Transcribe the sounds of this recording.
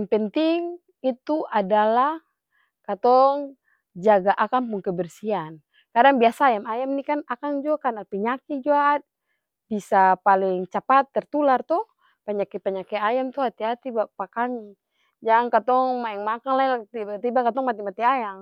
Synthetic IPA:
ŋpənt̪iŋ | it̪uʔadalah | kat̪ɔŋ | d͡ʒaɡaʔakampuŋkəbərsian | kadaŋbiasaːjamajamnikanakaŋd͡ʒuakanapiɲakid͡ʒuat̪̚ | bisapalɪŋt͡ʃapat̪ːərt̪ulart̪uh | paɲakipaɲakɛajamt̪uhat̪iɦat̪ibapakami | d͡ʒankat̪ɔŋmaɛŋmakanlailat̪ibat̪ibakat̪ɔŋmat̪imat̪iajaŋ

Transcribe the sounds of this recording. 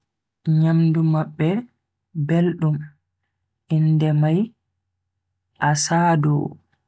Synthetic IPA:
ɲamdumaɓːɛ | belɗum | ʔindɛmaj | ʔasaːdɔ̰

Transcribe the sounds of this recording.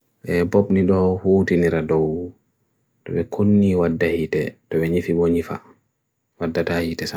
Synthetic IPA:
ɓɛbɔpniɗɔhuːtiniɾadɔw | tɔɓɛkʰonːiwadːahitɛtɔbɛɲifibɔɲifa̰ | wadːatahitɛsa

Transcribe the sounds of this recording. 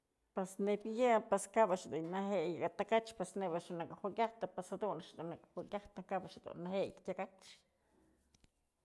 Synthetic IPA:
pwesnebjapweskabaʃd̪uɲnaɦejaɡat̪akat͡ʃpesnebaʃunakahukjaht̪apasad̪unaʃd̪unakhukʲjaht̪akabaʃd̪ṵnːahejkʲakat͡ʃ

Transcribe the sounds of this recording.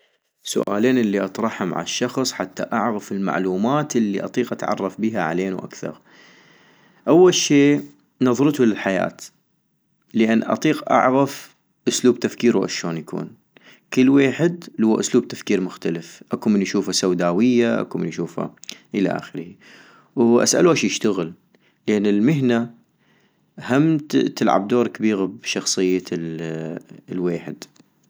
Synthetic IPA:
sʊ̰ʔa̰ːleːnʔɪlːiʔɑt̪ˤɾˤɑħhʊmʕa̰ʃːɑxsˤħat̪ːa̰ʔaʕɣafɪlma̰ʕluːmaːt̪ʔɪlːiʔɑ̰t̪ˤiːqʔat̪ʕɑ̰rˤːɑfbiɦaʕa̰leːnwʔa̰kθɑ̰ɾˤ | ʔawːalʃeː | nɑðˤɾɨt̪ʊlɪlħaja̰ːt̪ | ləʔanːʔɑ̰t̪ˤiːqʔa̰ʕɣaf | ʔʊsluːb̚t̪afkiːɾwʔa̰ʃoːnjakṵːn | kəlːweːħɪd̪lhuːaʔʊsluːb̚t̪afkiːɾmʊxt̪alɪfʔakumɪnʔaʃuːfasawd̪aːwɪjːaʔa̰kumɪnʔʃuːfa̰ʔɪla̰ʔa̰xɪɾhi | wʔa̰sʔa̰luʔaʃjɪʃt̪aɣɪl | lʔenːɪlmɪɦna | hamtt̪ɪlʕa̰b̚d̪oːɾˤkabiːɣabʃɑxsˤɨjːa | lweːħɪd̪̥

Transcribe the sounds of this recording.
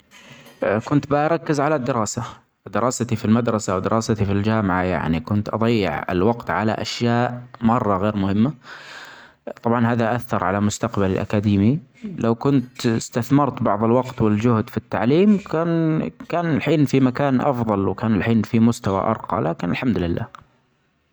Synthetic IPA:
kʊnt̪bɪʔɾˤɑkːɪzʕalad̪ːɪɾɑːsa | d̪ɪɾʔɑːsat̪ifilmad̪ɾˤɑsawd̪ɪɾʔɑːsat̪ifild͡ʒaːmɪʕaja̰ʕnikʊnt̪ʔɑ̰d̪ˤɑjːɪ̰ʕɪ̰lwɑqt̪ʕala̰ʔaʃjaːʔmɑrˤːɑɣeːɾmʊhɪmːa | t̪ˤɑbʕɑnhaːðaʔaθːɑɾˤʕalamʊst̪aqbalɪlʔa̰kad̪iːmilawkʊnt̪ɪst̪aθmɑɾˤt̪bɑʕðˤɪlwɑqt̪wɪld͡ʒʊhd̪fit̪ːaʕliːmkaːnkaːnɪlħiːnfimakaːnʔɑ̰fðˤɑlwkaːnɪlħiːnfimʊst̪awa̰ʔɑ̰ɾˤqɑ̰lʔaːkɪnɪlħamd̪lɪlːa̰ː

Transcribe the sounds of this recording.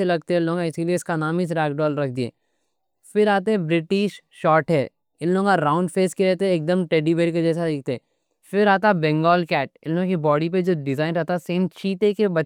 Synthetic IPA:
elɐɡ̚t̪eɦɛɪ̃lːõːŋaɪsielieɪskanaːmɪs̬ɾɛːkɖɔːlɾɐk̚ʰd̪iɛ̰ː | fɪɾaːt̪eɦɛ̃bɾɪʈɪʃʃɔːɾʈɦɛː | ɪnlõːkaɾaːʊ̃ɳɖfʰeːskeɾɛɦt̪eɦɛ̃eːk̚d̪əmʈeːɖibeːɾiked͡ʒɛːsad̪eːk̚ʰt̪eɛ̃ | fɪɾaːt̪abɛ̃ŋɡɔːlkɛːʈ̚ɪ̃nlõkibɔːɽip̬ed͡ʒoːɖɪzaːɪnɾɛɦt̪aseːmt͡ʃʰiːt̪ekebɐ

